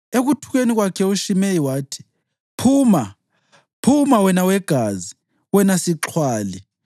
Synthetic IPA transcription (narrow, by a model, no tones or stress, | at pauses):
eɣutʰuɣeniɣwakʰɛuʃimejiwaːtʰi̥ | pʰuːma | pʰumawɛnawɛɡ̥ʱazi | wɛnasiǁʰwaːli